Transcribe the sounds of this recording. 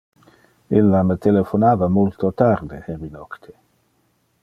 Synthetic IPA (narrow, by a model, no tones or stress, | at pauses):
ilːamət̪elefonaːvamult̪ot̪ard̪eerinɔkt̪ʰe̥